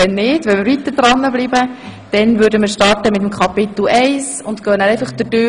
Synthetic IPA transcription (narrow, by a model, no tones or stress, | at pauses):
ɛnːɪːdʋɛnmiːɾvʋit̪əɾdɾɑnːəbliːbə | d̥ɛnvʏɾdəməːɾʃtɑɾtəmɪt̪əmkʰɑpɪt̪l̩ɛɪs | ʊntkœːnæɾɛjfəχd̥̪ədø